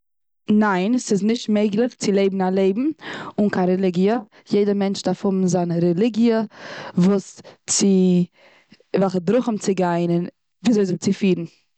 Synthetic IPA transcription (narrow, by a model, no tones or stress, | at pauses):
naɪnsɪznɪʃtmeɪɡlˠɪχt͡sɪlˠeɪbm̩alˠeɪbm̩ʊnkʰaɾɛlˠɪɡiə | jeɪdəmɛnt͡ʃdaːfhʊbm̩zanəɾɛlˠɪɡjəvuːst͡sɪ | vɛlˠχədɾʊχəmt͡sɪɡaɪnən | viːzoɪzɪɡ̚t͡sɪfiːɾn̩